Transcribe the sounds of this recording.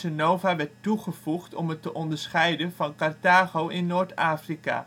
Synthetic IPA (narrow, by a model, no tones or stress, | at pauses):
ənowvaʋɛɹtːuχəv̥uχtɔ̰mɦətəʔɔndəɹsχɛjdəvɑnkɑrtaːχowɪnːoːɹtaːfrika̰